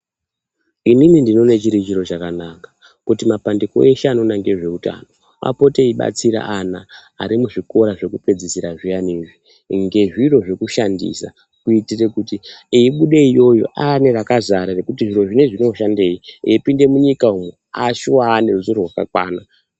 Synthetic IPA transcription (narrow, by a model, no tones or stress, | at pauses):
ininindino̞ne̞t͡ʃiɾit͡ʃiɾo̞t͡ʃakanakḁ | kutimapandiko̰e̞ʃanonaŋɡeʐe̞uta̰ːno̞ | mʔa̰po̞teiɓa̰t͡siɾa̰ʔanaːɾimuʐiko̞ɾaʐe̞kuped͡zisiɾaʐijaniʐi | ŋɡe̞ʐiro̞ʐekuʃandḭsa̰ | kuitire̞kutiiiɓuɗe̞ijo̞jo̞̰ʔane̞rakazaɾarekutiʐiro̞ʐine̞ʐino̞ʃande̞ːieipinde̞muɲikaumwe | aʃuwaːne̞ruzurorwaka̰kwa̰ːna